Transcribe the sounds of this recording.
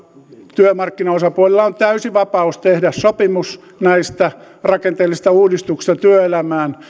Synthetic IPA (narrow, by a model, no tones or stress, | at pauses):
t̪yømɑrkːinɑosɑpuolilːɑont̪æysiʋɑpɑust̪ehdæssopimus | næist̪æ | rɑkent̪eːlːist̪ɑuːdist̪uksi̥st̪ɑt̪yøelæmæːn